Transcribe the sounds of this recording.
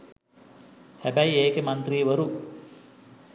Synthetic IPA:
hæbæjieːkemant̪riːʋəɾu

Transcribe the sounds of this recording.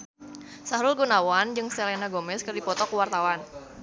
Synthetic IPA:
saɾʊlɡonawand͡ʒɨŋselenaɡomɛskɨrdipɔt̪ɔkuwart̪awan

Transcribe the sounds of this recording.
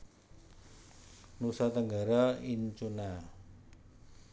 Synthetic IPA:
nusat̪əŋɡaɾaiɲt͡ʃuna

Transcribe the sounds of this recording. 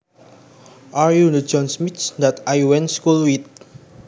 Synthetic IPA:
ʔaɹjunəd͡ʒɔ̃nsmitsdɛt̪ajwɛ̃nskulwit̪̚

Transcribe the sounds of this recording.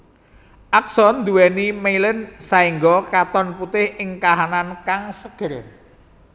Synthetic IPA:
ʔaksɔnd̪uwɛnimeilənsaiŋɡɔkat̪ɔnput̪ɪhʔɪŋkaɦanankaŋsəɡ̥ər

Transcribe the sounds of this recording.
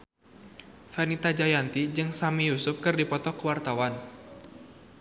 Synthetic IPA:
fɛnit̪ad͡ʒajant̪id͡ʒɨŋsamijusʊp̚kɨrdipɔt̪ɔkəwart̪awan

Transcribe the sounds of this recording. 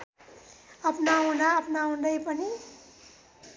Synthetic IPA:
ʌpnaɦunaʌpnaũnd̪ʌjpʌni

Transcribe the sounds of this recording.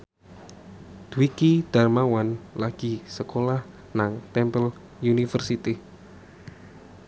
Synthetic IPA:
d̪̥uikid̪̥a̤rmawanlaɡ̥i̤səkolah | naŋt̪ɛmpəl | junifərsit̪i

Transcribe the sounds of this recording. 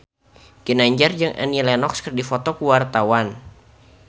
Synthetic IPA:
ɡ̥ənaɲd͡ʒard͡ʒɨŋʔa̰nilɛnɔkskərdifɔt̪ɔkuwart̪awan

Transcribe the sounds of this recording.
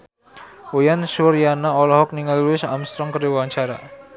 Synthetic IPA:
ojanʃuɾjanaɔlɔɦɔk̚niŋalluɪsa̰mst̪ɾɔŋkəɾiwwaɲt͡ʃaɾa̰

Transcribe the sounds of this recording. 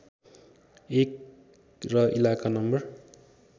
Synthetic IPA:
ek | rʌʔilakanʌmbʌr

